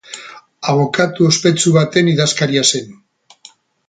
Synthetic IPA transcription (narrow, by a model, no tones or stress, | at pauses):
aβ̞o̞kat̪uospe̞t͡suβat̪e̞niðaskaɾiase̞n